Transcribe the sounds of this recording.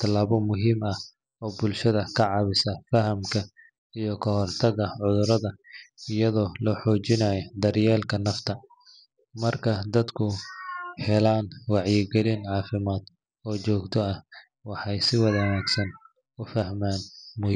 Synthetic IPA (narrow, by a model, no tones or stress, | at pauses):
t̪ʰɐlaːβɔmʊɦiːmɐh | ɔːbʊlʃɐðɐkʰɐʕɑβɪsɐfɐhɐmkʰɐ | ijɔkʰɐhɔrt̪ʰɐɣɐʕʊðʊɾɐðɐɪjɐðɔːlɔːħɔːt͡ʃɪnaːjɔd̪ɐrjɛːlkʰɐnɐft̪ʰɐ | mɐrkʰɐd̪ɐd̪kʰʊhɛlaːnwɑʕjɪɡɛlinʕɑːfɪmaːd̪ | ɔːt͡ʃɔːɡt̪ʰɔɐh | wɑħɑjsɪwɐðɐnaːɡsɐn | ʊfɐhmaːnmʊh